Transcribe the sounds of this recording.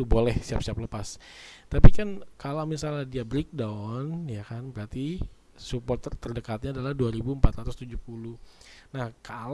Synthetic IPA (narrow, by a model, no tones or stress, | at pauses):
lubolɛhsiapsiapləpast̪apikankalamisaladiabɾik̚danjakanbəɾat̪i | supɔrt̪ərt̪ərdəkat̪̚ɲaːdalahduaɾibuəmpat̪ɾat̪ust̪ud͡ʒuhpuluhnahkal